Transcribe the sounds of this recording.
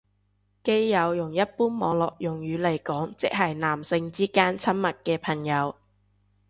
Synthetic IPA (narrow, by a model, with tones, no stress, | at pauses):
ke˥jjɐ˨˧wjʊ˨˩ŋjɐ˥t̚puː˥nmɔː˨˧ŋlɔː˨k̚jʊ˨˩ŋjyː˨˧˥le˨˩jkɔː˨˥ŋt͡sɪ̰˨k̚ɦɐ˨jnaː˨˩msɪ˧ŋt͡siː˥kaː˥nt͡sʰɐ˥nmɐ˨t̚kɛː˧pʰɐ˨˩ŋjɐ˨˧w